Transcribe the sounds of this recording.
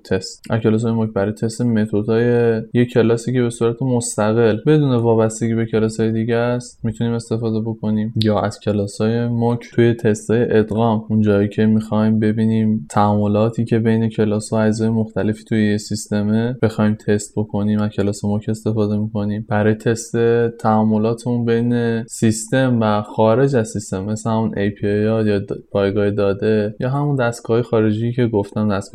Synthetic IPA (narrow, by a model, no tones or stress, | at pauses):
t̪ʰest̪ʔæ̰zkʰʲe̞lɒːs̬ɒːjemocbæɾɒːjet̪ʰe̞st̪eme̞t̪ʰod̪ɒːjejecʰe̞lɒːsiːcʰe̞βe̞suːɾæt̪ʰe̞most̪æɣe̞lbe̞d̪uːne̞vɒːbæst̪eɡʲiːbe̞cʰe̞lɒːsɒːje̞d̪iːɟæst̪mit̪ʰuniːme̞st̪e̞fɒːd̪e̞bo̞kʰo̞niːmjɒːʔæz̥cʰe̞lɒːsɒːje̞mocʰtʰuje̞t̪ʰe̞st̪ʰɒːje̞ʔed̪ɣɒːmund͡ʒɒːicʰe̞mixɒjmbe̞biːniːmt̪ʰæɔmːo̞lɒːt̪ʰiːcʰe̞be̞jne̞cʰe̞lɒːsɒæd͡ʒzɒːjemoxt̪æle̞fi̥ːt̪ʰujejesist̪e̞meb̥e̞xɒːimt̪ʰe̞st̪̚bo̞kʰo̞niːmæcʰe̞lɒːsomocʰe̞st̪e̞fɒːd̪e̞miko̞niːmb̥æɾɒːjet̪ʰest̪e̞t̪ʰæɔmːo̞lɒːt̪ʰemunbe̞jne̞sist̪e̞mvæxɒːɾe̞d͡ʒæzsist̪e̞mːe̞slehæmunʔejpʰijɒjɒːpʰɒːjɡɒːhed̪ɒːd̪e̞jɒːɦæmund̪æst̪ɡɒɦɒːje̞xɒːɾe̞d͡ʒijiːcʰe̞ɡoft̪æmd̪æst̪ɡ